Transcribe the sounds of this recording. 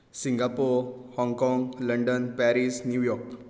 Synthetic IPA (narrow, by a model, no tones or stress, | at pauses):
sĩŋɡapoɾ | hɔŋkɔ̃ŋɡləɳɖənpæɾisnjujɔɾk